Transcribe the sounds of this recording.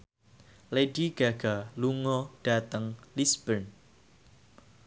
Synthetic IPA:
lediɡ̥aɡ̥aluŋɔɖ̥at̪əŋlisb̥ən

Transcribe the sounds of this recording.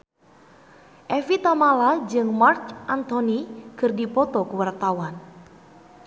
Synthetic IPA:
ʔɛfit̪amalad͡ʒɨŋmart͡ʃʔant̪onikɨrdipɔt̪ɔkəwart̪awan

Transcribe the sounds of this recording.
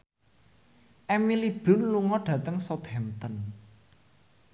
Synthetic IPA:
ʔɛmilib̥ʊ̤nluŋɔɖ̥ä̤t̪əŋsɔt̪hɛmt̪ən

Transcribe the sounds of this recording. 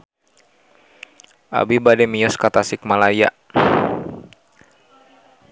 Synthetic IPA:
ʔa̰bibadɛmiɔskat̪asɪk̚malaja̰

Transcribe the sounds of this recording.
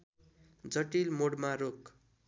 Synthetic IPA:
d͡zʌʈilmoɽmaɾok

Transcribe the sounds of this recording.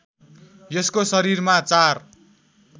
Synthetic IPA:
jʌskosʌɾirmat͡sar

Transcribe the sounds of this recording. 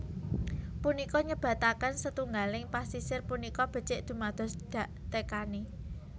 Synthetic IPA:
punikɔɲəb̥ä̤t̪akansət̪uŋɡalɪŋpasisɪrpunikɔb̥ə̤t͡ʃɪʔd̪̥ṳmad̪̥ɔ̤sd̪̥a̤ʔt̪ekani

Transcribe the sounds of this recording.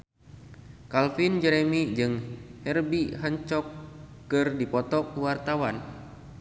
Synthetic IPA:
kalfind͡ʒɛɾemid͡ʒɨŋhɛrbiɦaɲt͡ʃɔkː | ɨrdipɔt̪ɔkwart̪awan

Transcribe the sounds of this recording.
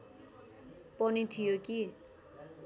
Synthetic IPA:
pʌnit̪ʰijoki

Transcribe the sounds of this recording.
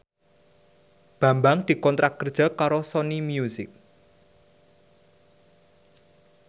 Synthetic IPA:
b̥ä̤mbaŋd̪̥i̤kɔnt̪ɾʔakərd̥ʒ̥a̤kaɾosɔnimjusɪk̚

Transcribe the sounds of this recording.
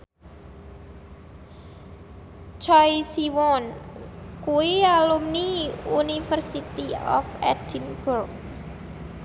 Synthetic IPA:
t͡ʃɔjsiwɔn | kuwialumniunifərsit̪iɔ̰fɛdinburk̚

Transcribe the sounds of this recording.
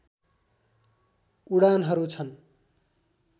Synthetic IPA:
uɽanɦʌɾut͡sʰʌn

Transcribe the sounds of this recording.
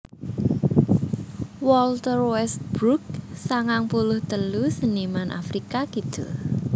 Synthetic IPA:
wɔlt̪ərwɛst̪̚b̥ɾuk̚saŋaŋpulʊht̪əlusənimanʔa̰fɾikakid̪̥ʊ

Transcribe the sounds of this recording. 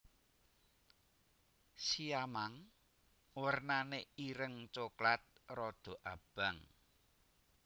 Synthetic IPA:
siamaŋ | wərnaneiɾəŋt͡ʃoklat̪̚rɔd̪̥o̤ʔab̥a̤ŋ

